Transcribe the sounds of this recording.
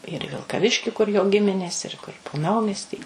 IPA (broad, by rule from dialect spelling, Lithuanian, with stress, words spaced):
ɪr iː ʋʲɪlˠkɐˈʋʲɪʃʲkʲɪ kʊr joː ˈɡʲɪmʲɪnʲeːs ɪr ˈkʊr poː ˈnɐʊmʲiɛsʲtʲiː